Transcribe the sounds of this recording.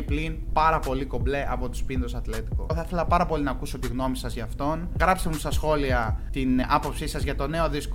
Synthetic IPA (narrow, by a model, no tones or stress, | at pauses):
iplinpɐɾɐpo̞liko̞ble̞ʔɐpo̞t̪u̥spinðosɐt̪le̞t̪i̥ko̰θɐθe̞lɐpɐɾɐpo̞linɐːkuso̞t̪iɣno̞misɐzʝɐːft̪o̞nɣɾɐpsemust̪ɐsxo̞liɐt̪inɐpo̞psisɐzʝɐt̪o̞ne̞o̞ðisko